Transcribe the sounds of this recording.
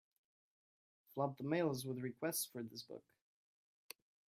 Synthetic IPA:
flʌb̚ðəmeɪlˠzwəðɹɨkʰw̥ɛstsfə˞ðɪsb̥ʊ̰k

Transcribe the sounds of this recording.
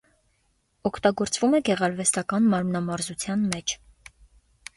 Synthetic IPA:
ɔkʰt̪ɑɡɔɾt͡svumɛɡɛʁɑɾvɛst̪ɑkɑnmɑɾmnɑmɑɾzut͡sʰjɑnmɛt͡ʃʰ

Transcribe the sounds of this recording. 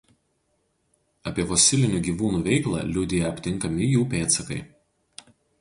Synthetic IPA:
ɐpʲiɛfɔːsʲɪlʲɪnʲuːɡʲiːʋuːnuːʋʲɛɪklˠɑ̰ːlʲʊd̪ʲɪjɛɐpʲt̪ʲɪŋˑkɐmʲɪjuːpʲeːt̪sɐkɐɪ

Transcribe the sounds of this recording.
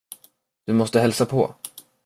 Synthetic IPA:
d̪̥ɵmɔst̪əɦɛlsapʰɔ̰

